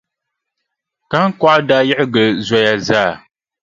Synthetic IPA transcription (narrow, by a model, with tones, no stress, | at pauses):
ka˦ŋ˦ka˦ʔdaː˦jɛ˦ʔɪ˦ɡə˨za˦ja˨zaː˦˨